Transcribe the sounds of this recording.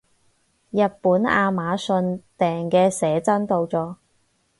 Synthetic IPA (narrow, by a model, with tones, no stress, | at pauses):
jɐ˨t̚puː˨˥na̰ː˧maː˨˥sɵ˧nt̪ɛː˨ŋkɛː˧sɛː˨˥t͡sɐ˥nt̪o˧wt͡sɔː˧